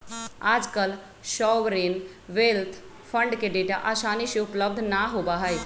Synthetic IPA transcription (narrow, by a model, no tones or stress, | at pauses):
aːd͡ʒkəl | ʃɔːʋɾeːn | ʋeːlt̪ʰ | fʰə̃ɳɖkeɖeʈa̰ʔaːsaːniʃeʊpləbd̪ʱnaɦoːbaɦəj